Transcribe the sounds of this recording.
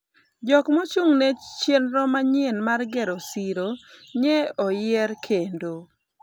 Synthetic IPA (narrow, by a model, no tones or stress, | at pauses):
d͡ʒɔkmot͡ʃuŋnɛt͡ʃjenɾɔmaɲɪenmarɡeɾosiɾoɲɛɔjɛrkʰendo